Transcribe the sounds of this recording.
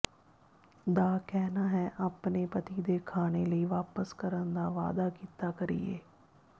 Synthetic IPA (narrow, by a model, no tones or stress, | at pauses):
d̪aːkɛːnaːɦɛːʔaːpneːpət̪iːd̪eːkʰaːneːləiːʋaːpəskəɾənd̪aːʋa̰ːd̪aːkiːt̪aːkəɾḭːḛː